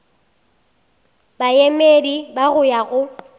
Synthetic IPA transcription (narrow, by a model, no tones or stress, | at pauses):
bajemedibaɣʊjaɣʊ